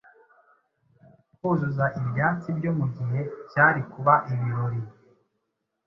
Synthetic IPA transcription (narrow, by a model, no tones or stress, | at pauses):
kuzuzaʔiβjaːnt͡sibɟo̞muɟiɦe̞bjaːɾikuβaʔiβiɾoɾi